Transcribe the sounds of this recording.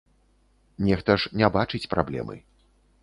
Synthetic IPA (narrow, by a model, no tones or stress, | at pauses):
nʲɛxt̪ɐʂnʲɛbat͡ʂɨt͡sʲpɾʔablʲɛ̰mɨ̰